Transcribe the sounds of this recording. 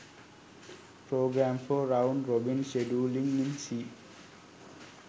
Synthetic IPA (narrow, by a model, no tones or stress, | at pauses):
pɾoːɡɾæ̃ːmfɔɾãʊ̃ɳɖɾobĩnʃeɖuːlĩŋĩnsiː